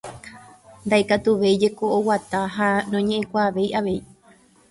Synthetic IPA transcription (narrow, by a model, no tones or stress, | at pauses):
nd̪aʔekat̪uʋe̞jd͡ʒe̞koowat̪aɦanõɲẽ̞ʔẽkʷaːʋe̞jʔaʋe̞i